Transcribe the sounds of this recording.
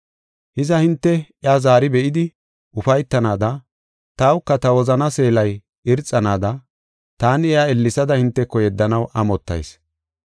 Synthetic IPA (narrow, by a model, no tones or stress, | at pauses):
hɪzɐhɪnt̪ːɛɪaːzaːɾɪbɛʔɪd̪ɪ | ʔʊfɐjt̪ːɐnaːd̪ɐ | t̪ɐwkːɐt̪ɐwɔzɐnɐse̞ːlɐj | ɪɾt͡sʼːɐnaːd̪ɐ | t̪aːnɛaɛlːɪsɐd̪ɐhɪnt̪ːɛkːɔjɛd̪ːɐnɐwʔɐmɔt̪ːɐ̰js